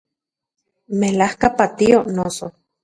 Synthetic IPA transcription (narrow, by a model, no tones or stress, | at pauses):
melahkapat̪ionoso